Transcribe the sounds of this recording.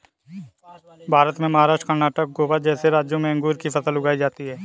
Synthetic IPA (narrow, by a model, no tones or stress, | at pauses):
bʱaːɾət̪mẽmɐɦaːɾaːʃʈkəɾnaːʈək̚ɡoːʋad͡ʒɛːseɾaːd͡ʒjõmẽɐ̃ŋɡuːɾkifɐt̪əlʊɡaːid͡ʒaːt̪iɦɛː